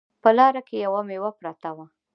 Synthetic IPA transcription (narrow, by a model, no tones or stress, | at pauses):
pəlɑɾakejawamewapɾɑt̪awa